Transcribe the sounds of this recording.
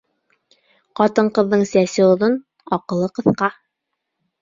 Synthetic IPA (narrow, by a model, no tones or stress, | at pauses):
qɑt̪ɤɴqɤ̆ðːɤɴsæsɘ̆oðɤn | ɑqɤ̆lˠːɤqɤ̆θqɑ